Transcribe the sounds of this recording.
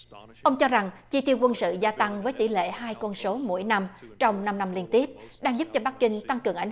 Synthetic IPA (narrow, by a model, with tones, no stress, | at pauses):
ʔə˧wŋ͡mt͡ɕɔ˧za˨˩ŋt͡ɕi˧t̪i˧əwkwə˧nsɨ̰˧˨zaː˧t̪a˧ŋvəː˨˦jt̪ḭ˧˩lḛ˧˨haː˧jkɔ˧nso˨˦mo̰˧˥jna˧mt͡ɕɔ˧wŋ͡mna˧mna˧mli˧ənt̪i˦˥əp̚ɗaː˧ŋzu˦˥p̚t͡ɕɔ˧ɓa˦˥k̚kï˧ŋ̟t̪a˧ŋkɨ˨˩əŋʔa˨˦